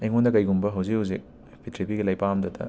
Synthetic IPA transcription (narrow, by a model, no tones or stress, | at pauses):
eŋundɐkɐjɡumbɐɦɐwzihuwzik̚ | pʰitʰɾipiɡilɐjpamdɐtɐ̰